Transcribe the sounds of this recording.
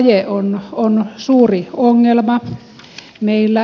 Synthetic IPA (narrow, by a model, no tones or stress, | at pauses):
jeononsuːrioŋːelmɑ | meˑilːæ